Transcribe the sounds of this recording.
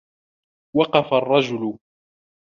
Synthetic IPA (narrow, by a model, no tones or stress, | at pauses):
wɑqɑfarˤːɑd͡ʒʊlʊ